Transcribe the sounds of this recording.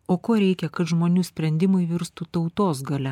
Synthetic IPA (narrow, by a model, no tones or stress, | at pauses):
oːkoːɾʲɛɪkʲɛkɐt̪ʒmoːnʲuːsʲpʲɾʲɛnʲd̪ʲɪmɐɪʋʲɪɾst̪ut̪ɐʊt̪oːsɡɐlʲɛ